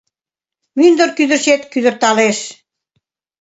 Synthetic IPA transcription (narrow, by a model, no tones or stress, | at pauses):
mynd̪ə̆rkyd̪ə̆rʃet̪kyðə̆rt̪ɑleʃ